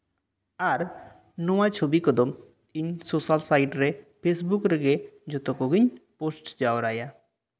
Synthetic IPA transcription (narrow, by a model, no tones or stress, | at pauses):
aɾ | nɔwat͡ʃʰobikɔd̪ɔm | iɲsosalsajʈɾepʰesbukɾeɡed͡ʒɔt̪ɔkɔɡiɲposʈd͡ʒaoɾaja